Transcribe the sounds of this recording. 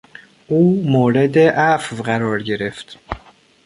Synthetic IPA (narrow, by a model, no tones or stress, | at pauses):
ʔuːmoːɾe̞d̪eʔæfvɢæɾɒːɾɟe̞ɾe̞ft̪